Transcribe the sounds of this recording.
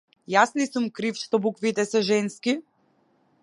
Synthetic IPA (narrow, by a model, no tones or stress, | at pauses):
jasnisumkɾifʃt̪ɔbukvit̪ɛsɛʒɛnski